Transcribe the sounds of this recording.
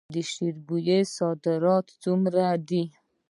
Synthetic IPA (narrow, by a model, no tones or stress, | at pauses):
d̪əʃiɾbujesɑd̪ɪɾɑt̪t͡sumɾad̪i